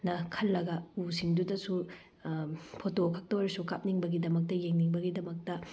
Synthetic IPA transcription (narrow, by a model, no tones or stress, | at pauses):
nɐkʰɐlːɐɡɐusiŋdudɐsu | pʰotokʰak̚tɐwɾsukap̚niŋbɐɡidɐmɐk̚tɐjeŋniŋbɐɡidɐmɐk̚tɐ